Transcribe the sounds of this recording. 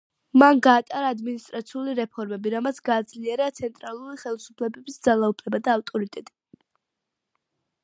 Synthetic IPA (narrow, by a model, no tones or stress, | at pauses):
manɡaːt̪ʼaɾaːd̪minist̪ʼɾat̪sʰiuliɾɛpʰɔɾmɛbiɾamat̪sʰɡaːd̪zliɛɾat̪sʰɛnt̪ʼɾalˠuɾiχɛlisu̥pʰlɛbɛbisd̪zalˠaupʰlɛbad̪aːft̪ʼɔɾit̪ʼɛt̪ʼi̥